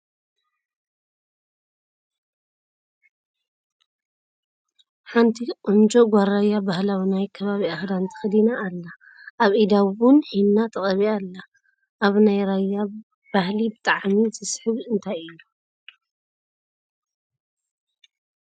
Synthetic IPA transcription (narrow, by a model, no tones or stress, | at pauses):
ħant̪ʰiqʼʊnd͡ʒʼoɡʷaɾajːabahlawnajkʰɐβaβiaxd̪ant̪ʰɨ̥xɨd̪inaʔːlːa | ʔaβʔid̪awʊnħinːat̪ʰɐkʼɐβialːa | ʔaβnajɾajːa | b̥ahlibɨt̪ʼaʕmizɨsħɨβɨnt̪ʰajɨlu